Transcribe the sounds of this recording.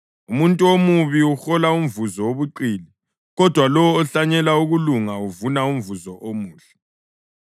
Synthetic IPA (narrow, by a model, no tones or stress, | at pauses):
umuntʼuomuβiuxɔlaumvuzɔwoβuǃiːli | ɣɔd̥ʱwalɔwːɬaɲɛlauɣuluŋauvunaumvuzɔʔomuːɬɛ̥